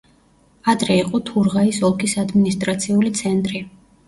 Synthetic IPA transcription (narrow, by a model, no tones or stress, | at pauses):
ad̪ɾɛiqʼɔt̪ʰuɾʁaisɔlˠkʰisad̪minist̪ʼɾat̪sʰiulit̪sʰɛnt̪ʼɾi